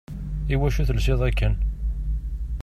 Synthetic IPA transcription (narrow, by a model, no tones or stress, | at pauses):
iwæʃuθəlsɪðˤækːən